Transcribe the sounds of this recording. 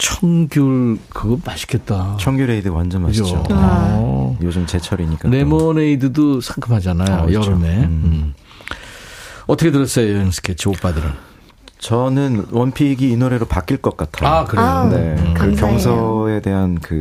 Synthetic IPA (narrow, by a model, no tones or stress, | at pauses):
t͡ɕʰʌŋɡjuɭkɯɯɡʌmaɕʰi̥kʰet̚t͈at͡ɕʰʌŋɡjuɾeidɯwand͡ʑʌnad͡ʑod͡ʑo̰ | jod͡ʑɯmt͡ɕe̞t͡ɕʰʌɾiɲik͈anemʌneidɯdosʰaŋkʰɯmɦad͡ʑanajojʌɾɯme̞ɯm | ʌtʰʌkʰetɯɾʌs͈ʌjojensʰɯ̥kʰet͡ɕʰiop͈adɯɾɯn | t͡ɕʌnɯnwʌnpʰiɡiːnoɾe̞ɾopak͈iɭk͈ʌk̚k͈atʰaaokɯɾonekɯkjʌŋsʰʌe̞de̞ɦankɯ